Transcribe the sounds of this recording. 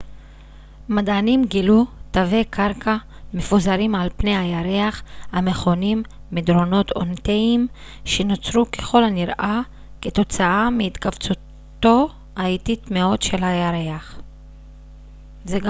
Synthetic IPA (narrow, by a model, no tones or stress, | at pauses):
madanimɡilut̪ave̞kʰaʁkʰa | me̞fuzaɾimʕalpne̞jhajaʁeaχhame̞χo̞nimː | id̪ɾo̞no̞t̪o̞̰nt̪eim | ʃeno̞t͡sɾukeχo̞lhaniʁʔa | ke̞t̪o̞t͡saameit̪kavt͡su | t̪o̞ | aitit̪meo̞dʃe̞lajaɾeaχ | zeɡ